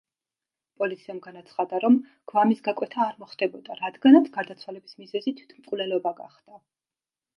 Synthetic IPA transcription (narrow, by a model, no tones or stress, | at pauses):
pʼɔlit̪sʰiamɡanat̪sʰχad̪aɾɔmɡ̥vamisɡakʼwɛt̪ʰaːɾmɔχd̪̥ɛbɔd̪aɾad̪ɡanat̪sʰɡ̥aɾd̪at̪sʰwalɛbismizɛzit̪ʰwi̥t̪ʰmqʼvlɛlɔbaɡa̰χd̪̥a